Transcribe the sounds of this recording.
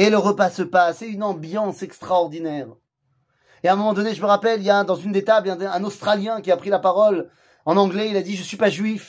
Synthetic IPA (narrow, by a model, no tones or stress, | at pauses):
eləʁəpasəpasɛynɑ̃bjɑ̃sɛkst̪χaɔʁd̪inɛːʁ | eɛ̃mɔmɑ̃d̪ɔneʒəməʁapɛlijãd̪ɑ̃zynd̪et̪ablɛ̃ɛ̃nost̪χaljɛ̃kʲiapχilapaʁɔl | ɑ̃nɑ̃ɡlɛilad̪iʒəsɥipaʒɥif